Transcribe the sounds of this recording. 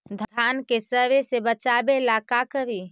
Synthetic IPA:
d̪ʱd̪ʱankesəʋesebət͡ʃabelakakəɾi

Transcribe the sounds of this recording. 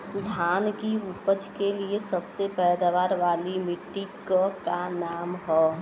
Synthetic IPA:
d̪ʱaːnkiʊpət͡ʃkeliesɐbsepɛːd̪aʋaːɾʋaːlimɪʈːikkanaːmɦɛː

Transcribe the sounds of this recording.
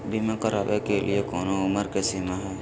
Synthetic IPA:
bʱimẽkəɾa̰ːʋekelʔḭekɔːnoʊməɾkesimaɦɛː

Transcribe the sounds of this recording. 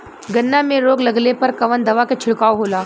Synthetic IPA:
ɡənːamẽɾoːɡləɡlepəɾkɐʋənd̪ɐʋaket͡ʃʰɪɽkaːwɦola

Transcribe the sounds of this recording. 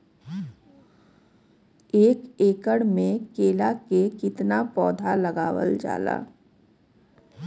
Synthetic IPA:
eːkeːkəɽmẽkeːlakekɪt̪napɔːd̪ʱalɐɡaːwə̰ld͡ʒa̰ːla̰ː

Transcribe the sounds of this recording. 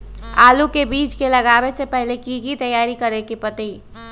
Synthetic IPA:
aːlukebiːt͡ʃkeləɡaːbesepɛɦlekiɡit̪əjːaːɾikəɾekipət̪i

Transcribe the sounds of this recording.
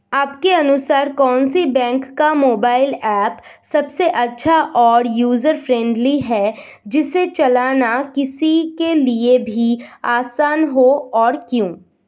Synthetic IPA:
aːpkeɐnʊsaːɾkɔːnsibɛ̃ːŋkːamoːbaːɪlɛːp | sɐbseʔɐtːʃʰaʔɔːɾjuːzəɾfɾɛ̃ɳɖliɦɛ | d͡ʒɪset͡ʃɐlaːnakɪsikeliebʱiaːsaːnɦoɔːɾkjũː

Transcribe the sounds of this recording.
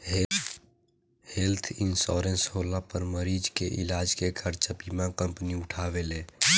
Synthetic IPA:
helt̪ʰinsɔɾensɦolapəɾməɾid͡ʒkeʔilaːd͡ʒkekʰəɾt͡ʃabimãkəmpniʊʈʰaːʋelẽː

